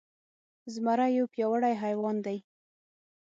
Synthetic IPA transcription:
zmaɾajopjɑwəɽajɦajwɑnd̪aj

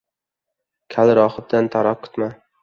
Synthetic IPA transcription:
kʲʰalɾɒχɨb̚d̪ant̪ʰaɾɒq̚kʰʊ̥t̪ma

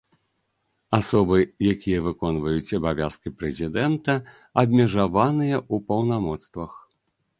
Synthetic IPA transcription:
asɔbɨjakʲʰijɐvɨkɔnvɐjut͡sʲɐbavʲa̰skʲipɾɛzʲid̪ɛnt̪ɐ | ɐbʲmʲɛʐavanɨjɐʔupɐwnamɔt̪st̪vɐx

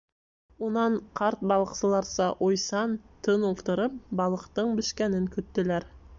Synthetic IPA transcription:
wonɑɴqʰɑɾt̪̚bɑlˠəqsəlˠɑɾsɑʔojsɑnt̪ʰənolˠt̪əɾəp̚bɑlˠəqt̪əɴbɪʃkʲænɪŋkʲʰʏt̪ːɪlæɾ

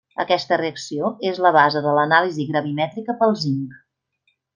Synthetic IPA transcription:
ə̰kɛst̪əreəksioezləβ̞azəðələnaliziɣɾəβimɛt̪ɾikəpəlˠziŋk

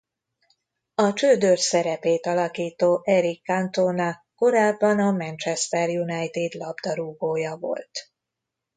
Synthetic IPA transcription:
ɒt͡ʃøːd̪ørsɛɾɛpeːt̪ɒlɒkiːt̪oːʔɛɾikːant̪oːnɒ | ko̞ɾaːbːɒnɒmɛnt͡ʃɛst̪ɛrjunajt̪id̪lɒbd̪ɒɾuːɡoːjɒvo̞̰lt̪

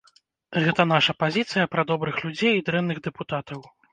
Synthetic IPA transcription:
ɣɛt̪ɐn̪aʂɐpazʲit̪sɨjɐpɾɐd̪ɔbɾɨxlʲud͡zʲejid̪ɾɛnnːɨɣd̪ɛput̪at̪ɐw

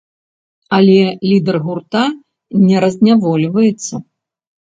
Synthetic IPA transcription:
alʲɛlʲid̪ɛrɣurt̪a | nʲɛɾɐzʲnʲavɔlʲvɐjɛt̪sːɐ

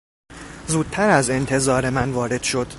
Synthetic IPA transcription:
zuːd̪̥̚t̪ʰæɾæze̞nt̪ʰe̞zɒːɾe̞mænvɒːɾe̞d̪̥ʃo̞d̪̥

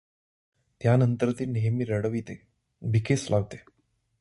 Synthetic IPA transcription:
t̪janənt̪əɾt̪iːlneɦmiːɾəɽəʋit̪e | bʱikeslaʋt̪e

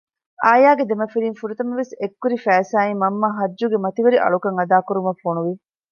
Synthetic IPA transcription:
aːjaːɡed̪emɐfiɾiːŋfuɾut̪ɐmɐʋesekːuɾifæːsaːimɐmːaːɦɐd͡ʒːuɡemɐt̪iʋeɾiʔɐ̰ɭukɐŋɐd̪aːkuɾumɐfonuʋi

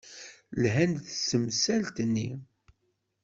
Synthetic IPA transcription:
lɦænd̪θsəmsælt̪nːi

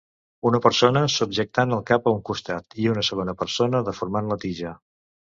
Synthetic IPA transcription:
unəpəɾsonəsub̚ʒək̚t̪anəlˠkapəuŋkust̪at̪iunəsəɣ̞onəpəɾsonəðəfuɾmanlət̪iʒə

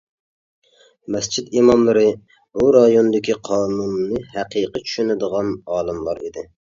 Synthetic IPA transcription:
mɛst͡ʃʰit̪imɑmlˠɨɾɨ | buɾɑjond̪ɪkʲiqʰɑːnunːɨɦæqiːqʰət͡ʃʰy̥ʃynɪd̪əʁɑnɑːlˠɨmlˠɑ̰ɾid̪ɪ

